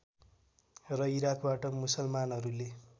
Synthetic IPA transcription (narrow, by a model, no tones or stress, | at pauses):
rʌiɾakʰbaʈʌmusʌlmanɦʌɾule